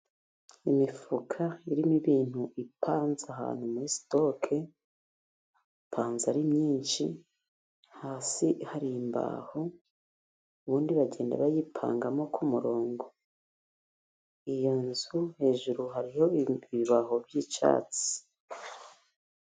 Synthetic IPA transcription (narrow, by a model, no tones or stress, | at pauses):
imifukʰaiɾimiβiːn̥huʔipʰaːnzaɦa̰ːn̥humuɾisto̞kʰe | pʰaːnzaɾimɲiːnʃḭ | haːsihaɾiimba̰ːho | uβuːndiβaɟe̞ːnda̰βajipʰa̰ːŋɡamo̞kʰumuɾo̞ːŋɡo | ijonzuhe̞ːʒuɾuɦaɾiho̞iβiβaɦo̞bjit͡ʃa̰ːt͡si̥